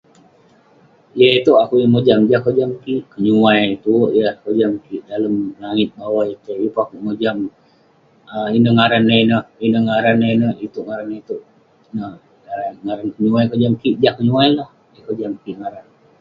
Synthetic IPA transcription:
jəit̪uakujəməd͡ʒamd͡ʒahkəd͡ʒamkiʔkəɲuajt̪uʔjəkəd͡ʒamkiʔdaləmlaŋɪt̪̚bawajit̪ujupakuʔməd͡ʒam | əinəhŋaɾanːainəhinəhŋaɾanːenəhit̪uʔŋaɾaneit̪uʔ | nəh | aaŋaɾankəɲuajkəd͡ʒamkiʔd͡ʒahkəɲuajlah | jəkəd͡ʒamkiʔŋaɾan

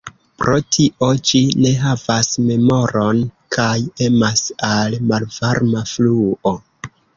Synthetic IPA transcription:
pɾo̞tʰiʔo̞d͡ʒine̞ɦavasme̞mo̞ɾo̞nkʰaje̞masalmalvaɾmafluo

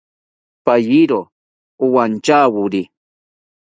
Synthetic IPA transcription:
pajiɾo | ʊwant͡ʃaːwʊɾi

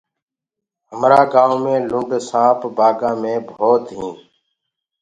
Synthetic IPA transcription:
ɦəmɾaːɡãːomẽːlʊ̃ɳɖsãːpbaːɡãːmẽːboːt̪ɦĩː

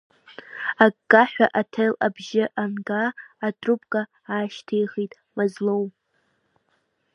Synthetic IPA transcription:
akːʼaħᶣʷa̰ʔatʰelabʒɪʔanɡaːtʰʼrupʰʼkʼa | aːʃtʰejχitʼ | mazlowmʼ

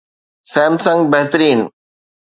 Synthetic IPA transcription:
sɛ̃ːmsə̃ŋɡbɐɦt̪əɾiːn

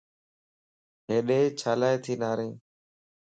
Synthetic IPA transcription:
ɦeːɗeːt͡ʃʰaːlaːeːt̪ʰiːnaːɾẽː

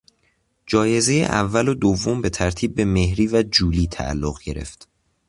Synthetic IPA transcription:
d͡ʒɒːje̞zejḛʔæ̰vːælod̪ovːombe̞t̪ʰæɾt̪ʰiːb̚ːe̞me̞hɾiːvæd͡ʒuːliːt̪ʰæ̰ʔːlːoɣɟe̞ɾe̞̰ft̪

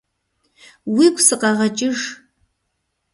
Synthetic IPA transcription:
wiːɡʷsɨqʼɐʁɐt͡ʃʼɪʐ

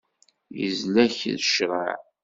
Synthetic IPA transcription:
jə̰zlæçðəʃɾˤə̰ʕ

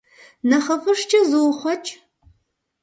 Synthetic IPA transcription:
nɐχɐfɐʂt͡ʃʰʼɐzɨwχʷɔt͡ʃʼ

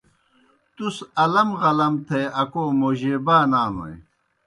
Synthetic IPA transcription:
t̪usɐlɐmʁɐlɐmt̪ʰeɐkoːmoːʑeːbaːnaːno̰ḛ

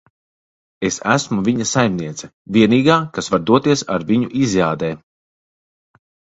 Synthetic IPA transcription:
esæ̰smuvʲiɲɐsajmniɛt̪sɛviɛniːɡaːkasvaɾd̪uɔt̪iɛsa̰ɾvʲiɲuʔizjaːd̪ɛː

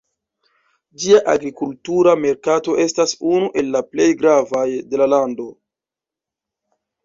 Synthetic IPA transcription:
d͡ʒiaʔaɡɾikultuɾame̞ɾkato̞ʔe̞stasunuʔe̞lːaple̞jɡɾavajde̞lalando̞

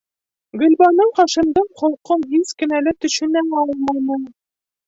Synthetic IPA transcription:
ɡɵ̆lʲbɑnɤɴqɑʃɤ̆md̪ɤɴχŏlˠqɤɴɦizkɘ̆nælɘt̪ɵ̆ɕɘ̆nænɒlˠmɑjnɤ

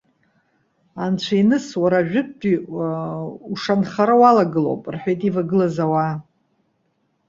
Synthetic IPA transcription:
ant͡ɕʷʰainɨswaɾaʒᶣʏp̚ːʼi | uʂanχaɾawalaɡɨlo̰pʼrħʷᶣejtʼivaɡɨlazawa

